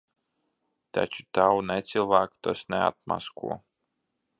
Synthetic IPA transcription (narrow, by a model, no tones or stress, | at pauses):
t̪a̰t͡ʃu̥t̪awnɛt̪sʲilˠvaːkt̪ɔsnʲɛa̰t̪̚ma̰skṵɔ